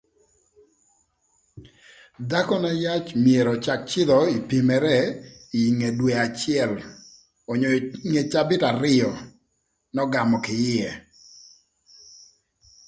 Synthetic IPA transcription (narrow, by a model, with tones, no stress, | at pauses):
da˦kɔ˦na˦ja˦t͡ʃmje˨ɾɔ˨t͡ʃa˨k̚t͡ʃɪ˦ðɔ˨i˨pi˨mɛ˨ɾɛ˦i˨i˨ŋe˨dwe˨a˨t͡ʃɪɛ˦˨l | ɔ˨ɲɔŋe˨t͡ʃa˦bɪ˦ta˨ɾɪ˦jɔ˨ | nɔ˦ɡa˨mɔ˨kɪ˨ɪ˦ɛ˨